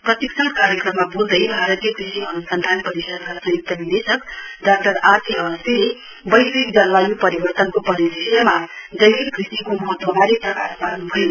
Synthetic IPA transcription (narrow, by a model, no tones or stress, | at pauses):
prʌt̪iksʰʌnkaɾjekrʌmːabuld̪ʌjbʱaɾʌt̪ijʌkrisiʌnusʌnd̪ʱanpʌɾisʌd̪kasʌ̃ɦit̪ːʌnid̪esʌkɖak̚ʈʌɾat̪ʰiʌbʌst̪ile | bʌjsikd͡zʌnlajupʌɾibʌrt̪ʌnkopʌɾiɾisjʌmad̪ʌjlibkrisikomʌɦʌt̪wʌbʱaɾit̪ʌkaɾpaɾnubʱʌjo